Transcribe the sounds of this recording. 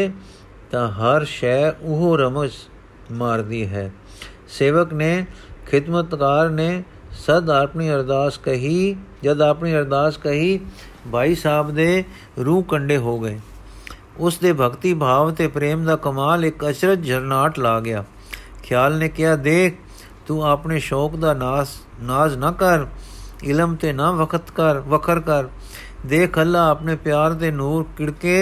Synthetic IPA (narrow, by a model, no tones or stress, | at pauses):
t̪ãːɦəɾʃɛːʊɦoːɾəməz | maːɾd̪iːɦɛː | seːʋəkneːkʰɪd̪mət̪kaːɾneː | səd̪aːpniːəɾd̪aːskəɦid͡ʒəd̪aːpniːəɾd̪aːskəɦiː | bʱaːiːsaːbd̪eː | ɾũːkəɳɖeːɦoːɡəeː | ʊsd̪eːbʱəkt̪iːbʱaːʋt̪eːpɾeːmd̪aːkəmaːlɪkət͡ʃɾət̪d͡ʒʱəɾnaːʈlaːɡɪjaː | kʰjaːlneːkɪjaːd̪eːkʰ | t̪uːaːpneːʃɔːkd̪aː | naːznəkəɾɪləmt̪eːnaʋəkʰət̪kəɾʋəkʰəɾkəɾ | d̪eːkʰəlːaːəpneːpjaːɾt̪eːnuːɾkɪɽkeː